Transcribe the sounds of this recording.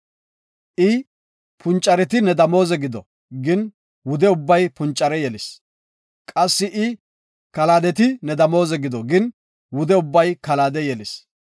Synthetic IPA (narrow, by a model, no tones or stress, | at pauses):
ʔɪ | pʰʊnt͡ʃʼːɐɾɛt̪ɪnɛd̪ɐmo̞ːzɛɡɪd̪ɔ | ɡɪn | wʊd̪ɛʊbːɐjpʊnt͡ʃʼːɐɾɛjɛlɪs | kʼɐsːɪʔɪ | kɐlaːd̪ɛt̪ɪnɛd̪ɐmo̞ːzɛɡɪd̪ɔɡɪn | wʊd̪ɛʊbːɐjkɐlaːd̪ɛjɛlɪs